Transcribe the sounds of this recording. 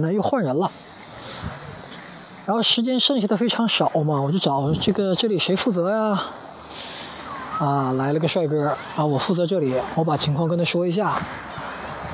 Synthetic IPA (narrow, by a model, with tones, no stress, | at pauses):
na˥˧jo˥˧ʊxwa˥˩nɻə˧˥nlə˧ | ɻa˧˥nxo˥˩ʊʂɻ̩˧˥t͡ɕjɛ˥nʂə˥˩ŋɕi˧˥d̪ə˧fe˥ɪʈ͡ʂʰɑ˧˥ŋʂɑ˨˩˦ʊmɐ˧wɔ˨˩t͡ɕjʊʈ͡ʂɑ˨˩˦ʊʈ͡ʂɤ˥˩ɡə˩ʈ͡ʂɤ˥˩li˨˩ʂe˧˥ɪfu˥˩t͡sɤ˧˥ja˥˧ | a˥˧la˧˥ɪlə˧˥ɡə˧ʂwa˥˧ɪkɤ˥˩ | a˥˩wɔ˨˩fu˥˩t͡sɤ˧˥ʈ͡ʂɤ˥˩li˨˩˦wɔ˧˥pa˨˩t͡ɕʰi˧˥ŋkʰwɑ˥˧ŋkə˥nʰə˩ʂwɔ˥˩i˧˥ɕ̬ja˥˩